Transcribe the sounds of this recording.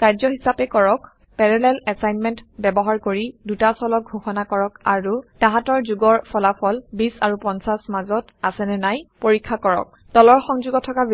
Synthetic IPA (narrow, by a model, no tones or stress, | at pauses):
kaɹzɔɦisapɛkɔɹɔk | pɛɹɛlɛlɛsajnmɛntbɛbɔɦaɹkoɹidutasɔlɔk̚ɡʱoxɔnakɔɹɔkaɹutãɦatɔɹzuɡɔɹpʰɔlapʰɔlbisaɹupɔnsasmazɔt | asɛnɛnajpoɹikʰːakɔɹɔ̰k̚ | d̥ɔlɔɹxɔŋzuɡɔtʰɔkab